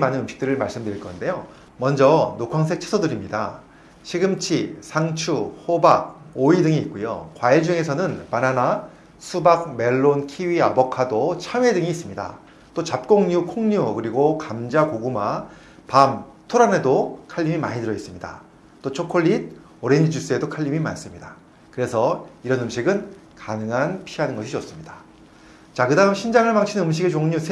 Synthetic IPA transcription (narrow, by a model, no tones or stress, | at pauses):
manɯnɯmɕʰi̥k̚t͈ɯɾɯɭmaɭs͈ɯmdɯɾiɭk͈ʌnde̞jo | mʌnd͡ʑʌnokʰaŋs̬ʰe̞k̚t͡ɕʰe̥sʰʌdɯɾimɲida | ɕʰiɡɯmt͡ɕʰisʰaŋt͡ɕʰuhobaɡ̚oidɯŋiːt̚k͈ujo̰kwaed͡ʑuŋe̞sʰʌnɯnmanana | sʰubak̚me̞ɭːonkʰiɥiabʌkʰadot͡ɕʰame̞dɯŋiːs͈ɯmɲida̰ | t͈ot͡ɕap̚k͈oŋɲukʰoŋɲukɯɾiɡokamd͡ʑakoɡuma | pamtʰoɾane̞dokʰaʎːimima̰ɲidɯɾʌis͈ɯmɲida̰ | t͈ot͡ɕʰokʰoʎːid̚ | ʌɾe̞nd͡ʑid͡ʑus͈ɯe̞dokʰaʎːimima̰ns͈ɯmɲida | kɯɾe̞sʰʌiɾʌnɯmɕʰiɡɯn | kanɯŋɦanpʰiɦanɯnɡʌɕʰiʌs͈ɯmɲida | t͡ɕakɯdaɦɯmɕʰind͡ʑaŋɯɭmaŋt͡ɕʰinɯmɕ̬ʰiɡet͡ɕoŋɲusʰe